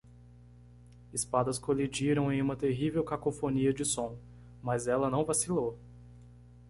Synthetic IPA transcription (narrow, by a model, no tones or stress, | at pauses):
ɪspad̪ɐskolid͡ʒiɾɐ̃w̃ẽj̃ũmɐt̪eɦivewkakofoniɐd͡ʒɪsõw̃ | mɐzɛlɐnɐ̃w̃vasilo